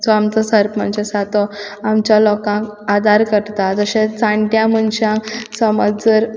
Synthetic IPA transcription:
t͡sɔamt͡səsəɾpmə̰nɕesat̪ɔamt͡ɕjalɔkãŋkad̪aɾkəɽt̪ad͡z̪əɕẽt͡sãɳʈjãməɳɕãksəməd͡zəɾ

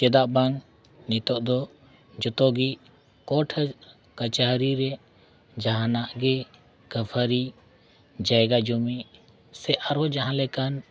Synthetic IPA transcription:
t͡ʃɛd̪aʔbaŋ | nit̪ɔʔd̪ɔ | d͡ʒɔt̪ɔɡiʔ | kɔʈʰ | kət͡ʃaɦɾiɾɛ | d͡ʒaɦanaʔɡɛ | kəpʰəɾi | d͡ʒaɛɡad͡ʒumi | sɛʔaɾɔd͡ʒaɦãlɛkan

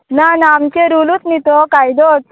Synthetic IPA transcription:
nanamt͡ɕeɾulut̪nit̪ɔkajd̪ɔt

